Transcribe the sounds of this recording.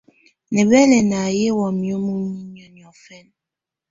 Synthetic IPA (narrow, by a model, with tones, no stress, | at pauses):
ne˨bɛ˦lɛ˨na˨je˦wɔ˨mjo˦mu˦mi˦n˨ɔ˨njɔ˨fɛ˦n